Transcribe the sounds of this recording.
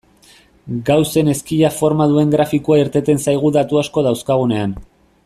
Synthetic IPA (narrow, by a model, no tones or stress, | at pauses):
ɡawse̞ne̞skiʎafo̞ɾmaðue̞ŋɡɾafikuaiɾt̪e̞t̪e̞nsajɣ̞uðat̪uasko̞ð̞awskaɣ̞une̞an